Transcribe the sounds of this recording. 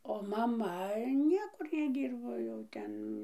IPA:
oː mɐˈmɐ ˈnʲiɛkʊr nʲɛˈdʲiːrboː jɛʊ ˈtʲɛn

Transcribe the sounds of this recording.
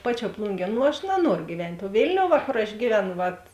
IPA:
ˈpɑːˌt͡ʃʲuɔ ˈplˠʊŋʲɡʲiɛ ˈnʊ ɐʃ nɐˈnuɔrʊ ɡʲiːˈʋʲɛnʲtʲ oː ˈʋʲeːlʲnʲoːʊ ˈʋɐ koːr ɐʃ ˈɡʲiːʋʲɛˌnʊ ˈʋɐt

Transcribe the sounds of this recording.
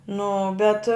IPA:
ˈnʊ bʲɛt

